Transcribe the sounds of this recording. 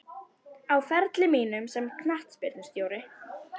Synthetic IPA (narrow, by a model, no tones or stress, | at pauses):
awfɛɾt̪lɪmiːnʏmsɛmkʰnaht̪spɪɾt̪nɪst̪joːwɾɪ